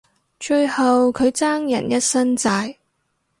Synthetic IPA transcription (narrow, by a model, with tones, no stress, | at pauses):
t͡ʃɵ˧ɥhɐ˨wkʰɵ˨˧ɥt͡saː˥ŋjɐ̰˨˩njɐ˥t̚sɐ˥nt͡saː˧j